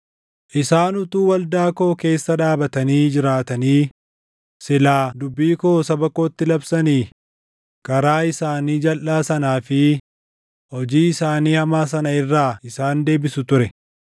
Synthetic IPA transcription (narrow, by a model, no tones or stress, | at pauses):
ʔɪsaːnʊt̪uːwɐld̪aːko̞ːke̞ːsːɐᶑaːbɐt̪ɐniːd͡ʒɪɾaːt̪ɐniː | sɪlaːd̪ʊbːiːko̞ːsɐbɐkːo̞ːt̪ːɪlɐbsɐniː | kɐɾaːɪsaːniːd͡ʒɐlʔaːsɐnaːfɪ | hɔd͡ʒiːɪsaːniːhɐmaːs̬ɐnɐɪrːaːɪsaːnd̪e̞ːbɪsʊt̪ʊɾɛ